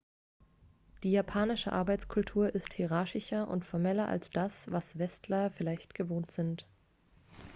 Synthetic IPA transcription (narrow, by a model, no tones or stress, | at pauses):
d̥iːjapʰaːnɪʃə̰ʔa̰ɐbaɪt͡skʰʊltʰuːɐʔɪsthiʁaɐçɪçɐʔʊ̰ntfɔɐmɛlɐʔa̰lsd̥asv̥asv̥ɛstʰlɐfɪlaɪçtɡ̥əvoːntz̥ɪnt